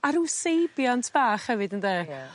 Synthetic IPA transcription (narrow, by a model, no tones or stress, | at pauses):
aɾuwsejbjɔntʰb̥aːχhɛvɨdənde